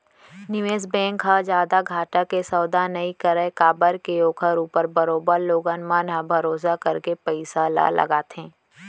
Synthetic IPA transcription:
nɪʋeːs̬bɛ̃ːŋkɦad͡ʒjaːd̪aɡʱaːʈakesɐːd̪anɐikəɾəekaːbəɾkeoːkʰəɾuːpəɾbɐɾoːbəɾloːɡanmaːnãbʱɐɾoːs̬akɐɾkepəɪsala̰lʔɐ̰ɡaːt̪ɦẽː

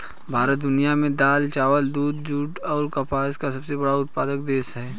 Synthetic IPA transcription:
bʱaːɾət̪̚d̪ʊnijamẽd̪aːlt͡ʃaːʋəld̪uːd̪d͡ʒuːʈɔːɾkɐpʰaːskasɐbsebɐɽaʊt̪̚paːd̪ək̚d̪eːsɦɛː

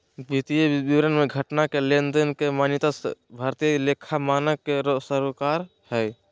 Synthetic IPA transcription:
bit̪ijebiʋɾənmeɡʱəʈnakelend̪ənkemanjit̪asbʱaɾt̪ijəlekʰamanəkːeɾosəɾkaɾ | hɛj

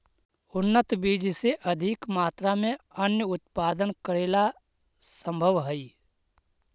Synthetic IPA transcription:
ʊnːət̪biːd͡ʒseʔəd̪ʱɪkmaːt̪ɾamẽənjəʊt̪paːd̪ənkəɾeːla | sə̃mbʱəʋɦəi

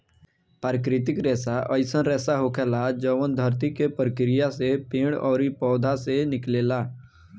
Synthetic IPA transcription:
paːɾkɾɪt̪ɪkɾɛːsaʔəɪsənɾɛːsaɦokʰɛːlad͡ʒəːʋənd̪ʱəɾt̪ikepɾəkɾɪjasepẽːɽ̃ɔːɾipɔːd̪ʱasenɪkleːlaː

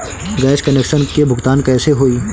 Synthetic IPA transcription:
ɡɛːskɐneːkʃənkebʱʊɡt̪aːnkɛːseɦoːiː

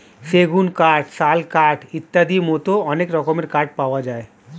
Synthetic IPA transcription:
seɡunkaʈsalkaɾʈit̪ːad̪imɔt̪oɔnekɾɔkomeɾkaɾʈ̚paoad͡ʑae

